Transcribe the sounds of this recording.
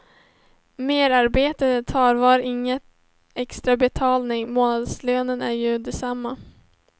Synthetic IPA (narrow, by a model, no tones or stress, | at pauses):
meːɾaɾbeːt̪ət̪ʰɑːɾvɑːɾʔɪŋːət̪ | ɛkst̪ɾabɛt̪ʰɑːlnɪŋmoːnad̪sløːnənæɾjɵd̪ɛsamːa